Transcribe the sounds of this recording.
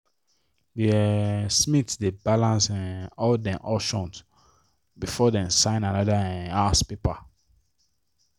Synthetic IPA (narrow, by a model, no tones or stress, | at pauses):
desmitsdebalãnsɛ̃nɔldɛ̃mʔɔʃɔ̃nt | bifɔdɛ̃nsãɪ̃nanɔdaɛ̃naspepa